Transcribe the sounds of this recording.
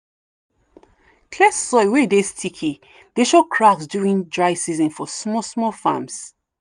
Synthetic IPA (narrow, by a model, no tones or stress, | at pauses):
kʰlɛssɔɪwedestʰikʰi | d̥eʃokʰɹaksduĩndɹaɪsizɔ̃nfɔsmɔsmɔfã̰ms